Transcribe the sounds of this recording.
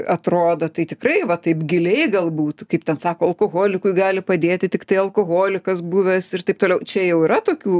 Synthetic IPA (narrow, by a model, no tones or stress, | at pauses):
ɐt̪ɾoːd̪ɐt̪ɐɪt̪ʲɪkɾɐɪʋɐt̪ɐɪpɡʲɪlʲɛɪɡɐlˠbuːt̪kɐɪpt̪ʲɛnsɑːkoːɐlˠkoːɣoːlʲɪkʊɪɡɑːlʲɪpɐd̪ʲeːt̪ʲɪt̪ʲɪkt̪ɐɪɐlˠkoːɣoːlʲɪkɐsbuːʋʲɛsɪrt̪ɐɪp̚t̪oːlʲɛʊt͡ʃʲɛjɛʊiːɾɐt̪oːkʲuː